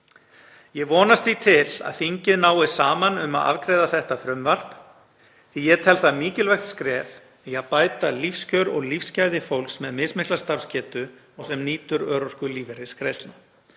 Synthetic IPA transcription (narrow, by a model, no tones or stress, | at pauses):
jɛɣvɔːnast̪θit̪ʰɪla̰ðθiɲcɪðnaːwɪsaːmanʏma̰ða̰vkɾejðaθɛht̪afɾʏmvar̥p | θijɛt̪ʰɛlθamiːcɪlvajxt̪skɾɛːθ | iaðpaːjt̪alifscœɥɾɔɣlifscaːjðɪfowlksmɛðmɪsmɪhklast̪afscɛːt̪ʏ | ɔɣsɛmniːt̪ʏɾœːɾɔr̥kʏliːvɛɾɪskɾejst̪la